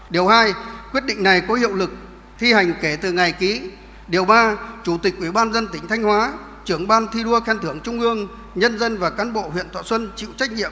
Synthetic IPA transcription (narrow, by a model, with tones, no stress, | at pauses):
ɗi˨˩əwhaː˧jkwi˦˥ət̚ɗḭ˧˨ŋ̟na˨˩jkɔ˨˦hḭ˧ə˨wlɨ˨˩k̚ | t̪ʰi˧ha˨˩jŋ̟ke˧˩t̪ɨ˨˩ŋa˨˩jki˨˦ | ɗi˨˩əwɓaː˧t͡ɕu˧˩t̪ï˨˩k̚ʔwi˧˩ɓaː˧nzə˧nt̪ï˧˩ŋt̪ʰa˧jŋ̟hwaː˨˦ | t͡ɕɨ˧˩əŋɓaː˧nt̪ʰi˧ɗu˧əxɛ˧nt̪ʰɨ˧˩əŋt͡ɕʊ˧ŋ͡mʔɨ˧əŋ | ɲə˧nzə˧nvaː˨˩kaː˨˦nɓo̰˧˨ɦwḭ˧˨ənt̪ʰa̰ː˧˨swə˧nt͡ɕḭ˧˨wt͡ɕa˦˥k̚ɲḭ˧˨əm